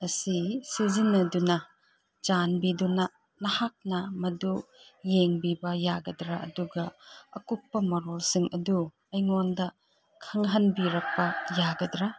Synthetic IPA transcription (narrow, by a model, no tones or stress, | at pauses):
ɐsisizinːɐdunɐ | d͡ʒanbidunɐ | nɐhak̚nɐmɐdujeŋbibɐjaɡɐdɾaʔɐduɡɐɐkupːɐmɐɾɔlsɯŋʔɐdu | ɐjŋɔndɐ | kʰɐŋɦɐnbiɾɐk̚pɐjaɡɐdɾa